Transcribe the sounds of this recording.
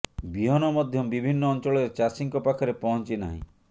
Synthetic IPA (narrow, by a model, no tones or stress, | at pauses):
biɦɔnɔmɔd̪ʱjɔbibʱinːɔːnt͡ʃɔɭɔɾet͡ʃasiŋkɔpakʰɔɾepɔɦɔnt͡ʃina̰ɦḭ̃